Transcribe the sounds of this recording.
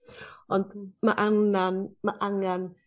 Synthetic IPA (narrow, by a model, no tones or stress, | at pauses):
ɔnt̪umaʔaŋnanmaʔaŋan